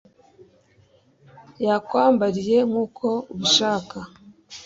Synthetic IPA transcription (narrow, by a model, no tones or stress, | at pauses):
jakwaːmbaɾije̞ŋ̥uːkʰo̞uβuʃaːka